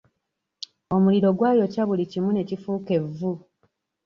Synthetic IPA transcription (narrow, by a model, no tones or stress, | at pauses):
o̞muliɾo̞ɡwaːjo̞caβulicimune̞cifuːke̞vːu